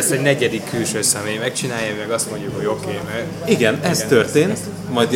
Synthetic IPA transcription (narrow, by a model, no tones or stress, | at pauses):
st̪ɛɟnɛɟɛd̪ikːylʃøːsɛmeːjmɛkt͡ʃinaːjɛmɛɡɒst̪mo̞ɲɟukho̞ɟo̞keːm | iɡɛnɛst̪ørt̪eːnt̪ | mɒjd̪